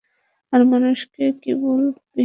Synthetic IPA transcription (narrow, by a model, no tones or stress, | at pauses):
aɾmanuʃkekebolbi